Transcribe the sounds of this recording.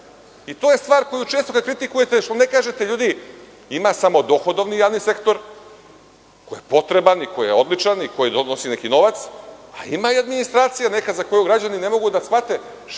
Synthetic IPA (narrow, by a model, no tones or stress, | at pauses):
it̪o̞ːje̞st̪ʋaːɾko̞jut͡ʃe̞ːst̪o̞kad̪̚kɾit̪ikuje̞t̪eʃt̪one̞kaːʒe̞t̪eʎuːd̪i | imasamo̞d̪o̞xo̞d̪o̞ʋnijaːʋnise̞kt̪o̞ɾ | kojepo̞t̪ɾe̞baniko̞jijeo̞d̪lˠit͡ʃaniko̞jid̪onosine̞kino̞ʋat̪sa̰ḭmaiad̪minist̪ɾaːt̪sijane̞kazako̞juɡɾad͡ʑanine̞mo̞ɡud̪asxat̪e̞